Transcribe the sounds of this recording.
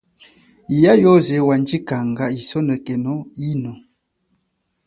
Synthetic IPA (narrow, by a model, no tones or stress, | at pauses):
jajɔzewand͡ʒikaŋ̩ɡaisɔnəkɛnɔinɔ